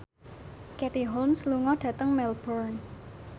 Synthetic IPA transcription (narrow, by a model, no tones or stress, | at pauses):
kɛt̪iɦolmsluŋɔɖ̥ä̤t̪əŋmɛlbɔrn